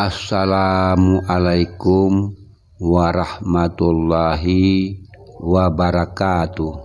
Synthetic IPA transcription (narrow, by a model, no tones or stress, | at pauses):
ʔasːalaːmuʔalajkum | waɾɑhmat̪ulːɑɦi | wabaɾakaːt̪u